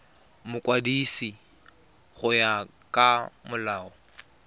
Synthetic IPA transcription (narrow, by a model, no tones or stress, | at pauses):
mʊkʼwadiːsi | χʊja | kʼamʊlaːɔ